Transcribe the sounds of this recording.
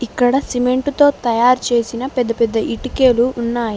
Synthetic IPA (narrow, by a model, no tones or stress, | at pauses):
ikːɐɽɐsime̞ɳʈut̪o̞ːt̪ɐjaːɾt͡ʃe̞ːsinɐpɛd̪ːɐpɛd̪ːɐʔiʈike̞ːluːnːaːji